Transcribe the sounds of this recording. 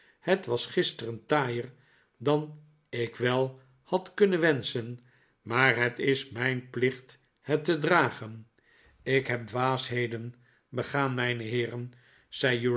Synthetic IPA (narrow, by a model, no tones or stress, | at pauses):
hətʋɑsχɪstərəntaːjəɹ | dɑn | ɪkʋɛlˠ | hɑtkɵnənʋɛnsən | maːɹɦətɪsmɛjnplɪχt | hətədraːχən | ɪkɦɛp̚dʋaːsɦejdən | bəχaːnmɛjnəɦɪːrən | z̥ɛju